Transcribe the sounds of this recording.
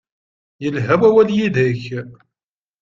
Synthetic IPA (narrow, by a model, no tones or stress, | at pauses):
jəlɦæwæwæljiðəç